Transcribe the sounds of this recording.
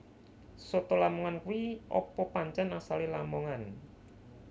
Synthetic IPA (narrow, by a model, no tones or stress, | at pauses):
sɔt̪ɔlamɔŋankuwiʔɔ̰pɔpaɲt͡ʃɛnasalilamɔŋan